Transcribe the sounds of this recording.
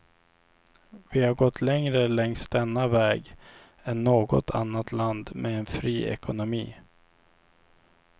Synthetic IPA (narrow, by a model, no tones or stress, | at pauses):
vɪhaɾɡɔt̪ʰlɛŋɾəlɛŋsd̪ɛnːavɛːɡ | ɛnːoːɡɔ̰t̪ʰa̰nːat̪ʰland̪mʔeɛnfɾiːɛ̰kʰʊnʊmḭː